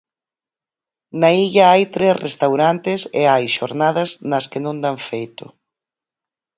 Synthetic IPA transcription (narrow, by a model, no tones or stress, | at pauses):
naiʎɐajt̪ɾesrest̪awɾant̪ɪsḛajʃoɾnaðɐznɐskɪnõnd̪aɱfejt̪ʊ̰